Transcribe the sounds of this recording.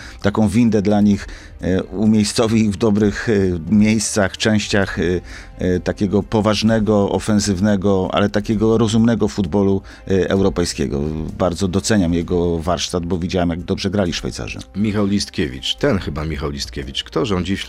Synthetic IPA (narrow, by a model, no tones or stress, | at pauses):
t̪akɔ̃w̃vʲind̪ɛd̪laɲix | umʲjejst̪sɔvʲivd̪ɔbɾɘxmʲjejst̪saxt͡ʂɛ̃w̃ɕt͡ɕax | t̪akʲɛɡɔpɔvaʐnɛɡɔɔ̰fɛ̃nsɘvnɛɡɔa̰lɛt̪akʲɛɡɔɾɔzumnɛɡɔfud̪bɔlu | ɛ̰wɾɔpɛjskʲɛ̰ɡɔ̰baɾd̪zɔd̪ɔt̪sɛɲamjɛɡɔvaɾʂt̪ad̪bɔvʲid͡ʑawɛmjaɡd̪ɔbʐɛɡɾalʲiʂfa̰jt̪sa̰ʐɛ̰mʲixawlʲist̪kʲevʲḭt͡ʂt̪ɛnxɘbamʲixawlʲist̪kʲevʲit͡ʂkt̪ɔʐɔɲd͡ʑi